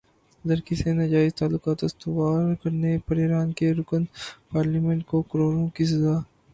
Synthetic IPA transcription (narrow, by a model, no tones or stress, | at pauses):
lɐɾkisenɐd͡ʒaːɪzt̪aːlːʊkaːt̪ɐst̪ʊwaːɾkɐɾnepɐɾeɾaːnkeɾʊkənpaːɾlimẽɳʈ̚kokɐɾoːɾõkis̬ɐzaː